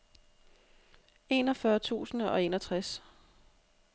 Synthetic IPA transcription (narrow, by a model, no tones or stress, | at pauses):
e̝ːnɒ̽fɶːɐt͡sʰṵːsn̩ɒ̽e̝ːnɒt͡sʰʁas